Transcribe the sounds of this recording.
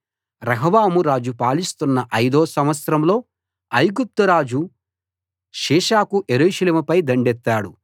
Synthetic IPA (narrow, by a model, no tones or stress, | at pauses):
ɾɐɦɐʋaːmuɾaːd͡ʒupaːlist̪unːɐʔɐjd̪oːsɐmʋɐt̪sɾɐmlo̞ː | ɐjɡup̚t̪ɐɾaːd͡ʒu | ʃiːʃaːkuʔeɾuːʃɐleːmupɐjd̪ɐɳɖɛt̪ːaːɽu